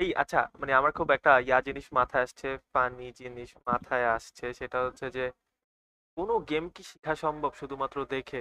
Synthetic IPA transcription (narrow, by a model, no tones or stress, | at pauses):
ejʔa̰tːɕʰa̰maneamaɾkʰubɛk̚ʈajad͡ʑiniʃmat̪ʰaeaʃt͡ɕʰepanid͡ʑiniʃmat̪ʰaeaʃt͡ɕʰeʃeʈaɦotːɕʰed͡ʑe | konoɡemkiʃi̥kʰaʃɔmbʱobʃud̪ʱumat̪ːɾod̪ekʰe